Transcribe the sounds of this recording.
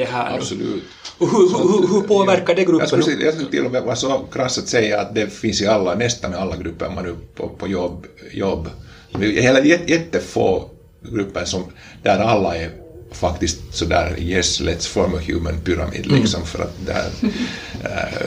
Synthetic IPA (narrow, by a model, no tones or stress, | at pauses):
d̪ɛɦæːabsɔlʉ̰ːt̪hʉhhɵhɵpʰoːvæɾkaɖɛɡɾɵjɑ̰skːjɑsk̪t̪ɪ̰lːɔmɛvɑsɔkʰɾasːat̪sɛjːaːt̪̚d̪ɛfɪnsɪalːanɛst̪anialːaɡɾɵpːə̰ɾmanʉpʰɔ̰pʰɔjɔbjɔbː | sɔmɪheːlajɛjɛt̪ːəfo̰ː | ɡɾʉpːənsɔm | d̪̥æɾalːaɛfakt̪ɪst̪sɔd̪æ̰ːɾjɛslɛt̪sfɔɾmɔhjʉ̰ːmənpʏɾa̰mḭːd̪lɪksɔmfœɾa̰t̪̚d̪ɛhæ̰ɾ